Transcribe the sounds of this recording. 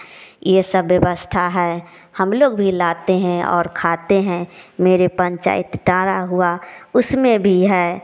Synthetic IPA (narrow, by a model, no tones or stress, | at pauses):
jesəbːjəʋəst̪ʰaɦɛː | həmloːɡbʱilaːt̪eɦɛ̃ɔ̰ːɾkʰaːt̪eɦɛ̃meːɾepə̃ɲt͡ʃa̰ːɪt̪ʈãːɾaɦʊaʊsmẽbʱiɦɛː